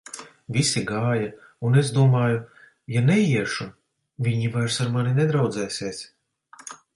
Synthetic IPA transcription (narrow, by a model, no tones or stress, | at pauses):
vʲisiɡaːja | unezd̪uɔmɑːju | janɛjiɛʃu | vʲiɲivajɾsaɾmaninɛd̪ɾawd̪zɛːsʲeːs